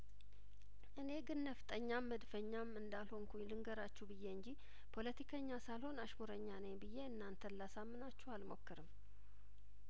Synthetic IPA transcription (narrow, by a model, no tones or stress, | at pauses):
ʔɨne̞ɡɨnːəft̪ʼəɲːamːəd̪fəɲːamɨnd̪alho̞ŋkulɨŋɡəɾat͡ʃːubɨjːe̞ɨɲd͡ʒi | pʰo̞lət̪ʰikʰəɲːasalho̞naʃmuɾəɲːanejbɨjːe̞ɨnːant̪ʰənlasamːɨnat͡ʃːɛwalmo̞̰kːɨɾɨm